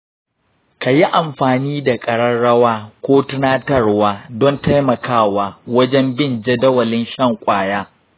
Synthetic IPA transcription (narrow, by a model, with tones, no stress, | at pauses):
ka˨ji˦ʔa˨mɸaː˨niː˦da˨kʼɐ˨ɽɐ˦nɽɐ˦waː˦kʷoː˦tʊ˦naː˦tɐ˦rwaː˦dɔ˦nta˦jmɐ˨kaː˦˨waː˨wɐ˦d͡ʒɛ˦mbɪ˦˨nd͡ʒe˦dɐ˦wɐ˨lɪ˦nʃɐ˦˨ŋkʷʼaː˨jaː˦